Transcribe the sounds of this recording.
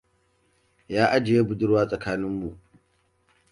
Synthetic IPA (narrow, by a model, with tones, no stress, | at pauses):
jaː˦ʔa˦d͡ʒɪ˨jeː˦bʊ˨dʊ˦rwaː˦sʼɐ˨kaː˦nɪ˦mːu˨ʔ